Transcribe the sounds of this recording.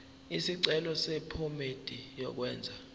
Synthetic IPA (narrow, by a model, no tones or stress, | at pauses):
isiǀɛlɔsɛpʰomed̥ʼʱijɔ̰k̬wɛːnd͡zʱa